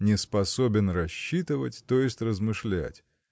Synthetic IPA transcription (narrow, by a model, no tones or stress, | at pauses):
nʲɪspɐsobʲɪnrɐɕːit̪ɨvə̰tʲt̪o̞jɪsʲtʲrəzmɨʂlʲæ̰tʲ